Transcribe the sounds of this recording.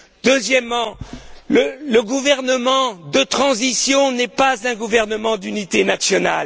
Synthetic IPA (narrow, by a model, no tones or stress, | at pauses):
d̪̥øzjɛmːɑ̃lələɡuvɛʁnəmɑ̃d̪ət̪χɑ̃zisjɔ̃nɛpazɛ̃ɡuvɛʁnəmɑ̃d̪ynit̪enasjɔna̰l